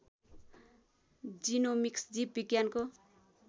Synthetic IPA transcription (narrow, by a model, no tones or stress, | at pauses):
d͡zinomiksd͡zipbiɡjanko